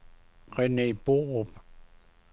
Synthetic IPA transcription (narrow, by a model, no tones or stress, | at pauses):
qenipoʁop